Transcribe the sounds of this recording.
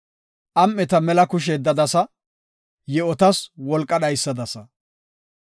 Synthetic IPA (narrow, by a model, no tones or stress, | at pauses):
ʔɐmːɛt̪ɐmɛlɐkʊʃ̬ɛd̪ːɐd̪ɐsɐ | jɛɔt̪ɐswɔlkʼːɐɗɐjsːɐd̪ɐsɐ